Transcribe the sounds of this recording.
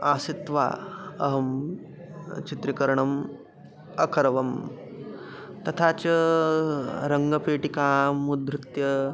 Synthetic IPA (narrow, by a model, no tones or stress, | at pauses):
aːsit̪ʋa̰ːɐ̰ɦɐm | t͡ʃit̪ɾikɐɾɐɳɐm | ɐkʰɐɾɐʋɐm | t̪ɐt̪ʰaːt͡ʃɐ | ɾɐŋɡɐpeːʈikaːmud̪ɾɪt̪jɐ